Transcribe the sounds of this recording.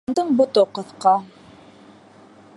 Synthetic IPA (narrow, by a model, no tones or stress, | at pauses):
nd̪ɤɴbŏt̪oqɤ̆θqɑ